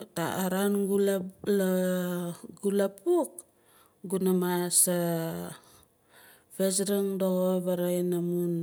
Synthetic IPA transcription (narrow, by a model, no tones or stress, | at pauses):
ta̰aɾanɡulla | ɡulapuk̚ | ɡunamasa | pes̬ɾaŋdoɣoβaɾajnamun